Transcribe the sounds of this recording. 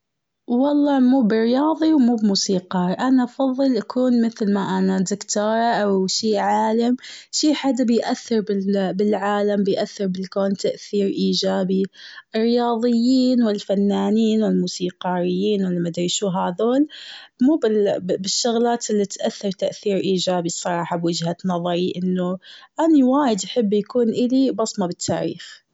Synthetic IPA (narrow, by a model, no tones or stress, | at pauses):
wɑlˤːɑːmuːbɪrːɪjɑːðˤiwmuːbmuːsiːqɑːɾʔanaʔɑfɑðˤːɨlʔakʰuːnmɪθlmaʔanad̪ɪkt̪ɑːɾˤɑʔawʃiːʕaːlamʃiːħad̪ːabɪjʔaθːɪɾbɪbɪlʕaːlambɪjʔaθːɪɾbɪlkoːnt̪aʔθiːɾʔiːd͡ʒaːbiʔɪrːɪjɑːðˤɪjːiːnwɪlfanːaːniːnwɪlmuːsiːqɑːɾɪjːiːnwɪlːimad̪ɾiːʃuːɦaðoːlmuːbɪlbɪʃːʊɣlaːt̪ɪlːit̪ʔaθːɑɾˤt̪aʔθiːɾʔiːd͡ʒaːbisˤɑɾˤɑːħɑbwɪd͡ʒhanɑðˤɑɾˤiʔɪnːʊʔaniwaːjɪd̪ʔaħɪbːjakuːnʔɪlibɑsˤmabɪt̪ʰːa̰ːɾḭːx